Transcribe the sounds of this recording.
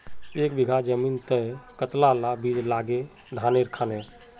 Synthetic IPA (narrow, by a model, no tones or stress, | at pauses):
ekbiɡʱad͡ʒəmint̪əjkət̪lalabid͡ʒlaɡe | d̪ʱaneɾkʰane